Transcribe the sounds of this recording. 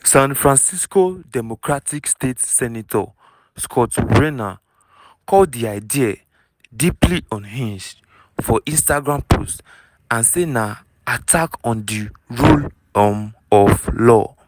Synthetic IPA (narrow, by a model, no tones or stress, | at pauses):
sãnfɹãnsiskodɛmokɹatikstetsɛnitʰɔ̰ | skʰɔtɹena | kʰɔldiaɪdia | dipliʔɔ̃nhĩnʃ | fɔʔĩnstaɡɹãmpʰo̰st | ãnsena | atʰakɔ̃ndi | ɹul | ɔmɔflɔ̰